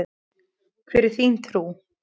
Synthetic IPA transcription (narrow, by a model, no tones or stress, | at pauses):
kʰvɛɾɪθint̪ʰɾuː